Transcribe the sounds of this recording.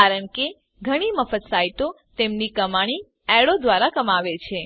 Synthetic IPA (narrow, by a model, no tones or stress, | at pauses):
aɾəɳke | ɡʱəɽ̃iməfət̪saiʈo | t̪emnikəmaɽ̃i | ɛɽod̪ʋaɾakəmaʋet͡ʃʰe